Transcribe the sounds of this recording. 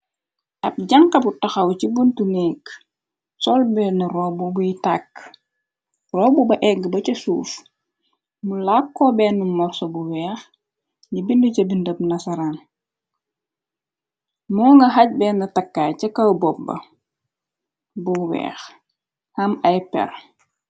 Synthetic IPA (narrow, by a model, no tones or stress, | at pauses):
ʔɐp̚ɟɐŋkɐbutɐxɐwcibuntunɛːk | sɔlbɛːnrɔːbubujitak | rɔːbubɐʔɛɡːəbɐcɐsuːf | mulakːɔbɛːnumɔɾsɔbuwɛːx | ɲibinducɐbindəp̚nɐsɐɾan | mɔːŋɡɐɦɐc̚bɛːnɐtɐkːaːcɐkɐwbɔp̚ːɐ̰ | buwɛ̰ːx | hɐmɐjpɛ̰r